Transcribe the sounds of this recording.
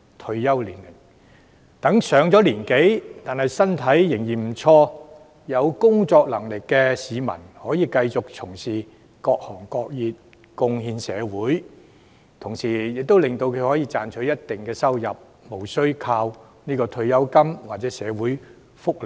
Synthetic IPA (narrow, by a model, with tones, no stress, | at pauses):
t̪ʰɵ˧ɥjɐ˥wliː˨˩nlɪ˨˩ŋ | t̪ɐ˨˥ŋsœː˨˧ŋt͡sɔː˨˥liː˨˩nke˨˥jt̪aː˨nhɐ˨jsɐ˥nt̪ʰɐ˨˥jːɪ˨˩ŋjiː˨˩nm̩˨˩t͡ʃʰɔː˧ | jɐ˨˧wkʊ˥ŋt͡ʃɔː˧k̚lɐ˨˩ŋlɪ˨kːɛ˧siː˨˧mɐ̰˨˩nhɔː˨˥jiː˨˧kɐ˧jt͡sʊ˨k̚t͡sʰʊ˨˩ŋsiː˨˩ | kɔː˧k̚hɔː˨˩ŋkɔː˧k̚jiː˨t̚ | kʊ˧ŋhiː˧nsɛː˨˧wuː˨˥j | t̪ʰʊ˨˩ŋsiː˨˩jɪ˨k̚t̪o˥wlɪ˨ŋt̪o˧wkʰɵ˨˧ɥhɔː˨˥jiː˧t͡saː˨nt͡ʃʰɵ˨˥ɥjɐ˥t̚t̪ɪ˨ŋkɛː˧sɐ˥wjɐ˨p̚ | mo˨˩wsɵ˥ɥkʰaː˧w | niː˥kɔː˧t̪ʰɵ˧ɥjɐ˥wkɐ˥mwaː˨t̚t͡sɛ˨˥sɛː˨˧wuː˨˥j | fʊ˥k̚lɪ˨˩